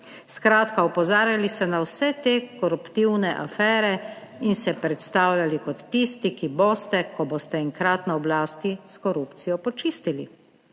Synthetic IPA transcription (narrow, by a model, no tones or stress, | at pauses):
skɾaːt̪kaɔpɔzaːɾjalist̪ɛnawsɛt̪eːkɔɾupt̪iwnɛʔa̰fɛːɾɛ | insɛpɾɛt̪st̪aːwljalikɔt̪ːist̪ikiboːst̪ɛkʰɔboːst̪ɛɛŋkɾaːt̪naɔblaːst̪iskɔɾuːpt̪sijɔpɔt͡ʃiːst̪ilḭ